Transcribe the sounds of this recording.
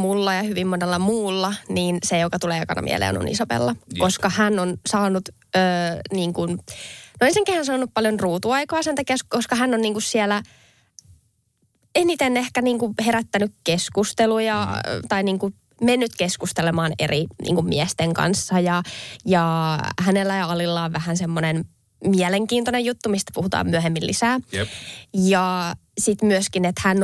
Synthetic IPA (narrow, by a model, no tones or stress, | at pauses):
mulːɑjɑhyʋimmonelːɑmuːlːɑniːnsejokɑt̪uleːɑkɑ̰nɑ̰mḭɛ̰lḛːo̰no̰nʔḭsoʋḛlːɑkoskɑhænːonsɑːnut̪ | øːniːŋkunnoenseŋkehænsɑːnuppɑljonruːt̪uɑikɑːsent̪ɑkiæskoskɑɦænːonniːŋkussiɛlæ | enit̪enːehkæniːŋkuheɾæt̪ːænykkeskust̪elujɑt̪ɑiniːŋku | menːyt̪keskust̪elemɑːnḛrinʔḭːŋkummḭɛst̪eŋkɑ̰nsːɑjɑjɑhænelːæjɑɑlilːɑːʋʋæhænsemːonen | miɛleŋkiːnt̪onejut̪ːumist̪æ̥puhut̪ɑ̰ːmyøhemːillisæː | jɑsit̪myøskinet̪hæn